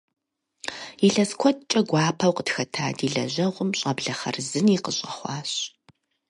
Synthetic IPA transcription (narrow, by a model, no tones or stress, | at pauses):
iɬɐskʷʰɔt̚t͡ʃʼɐɡʷɑːpʰɐwqətxɐtʰa̰ːdiːɮɐ̰ʑɐʁʷʊmɕʼɐbɮɐχɐ̰rzɨniqəɕʼɐχʷɑːɕ